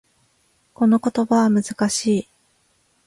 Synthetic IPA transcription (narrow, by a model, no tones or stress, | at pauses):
ko̞no̞ko̞t̪o̞baβamɯ̟zɨkaɕiː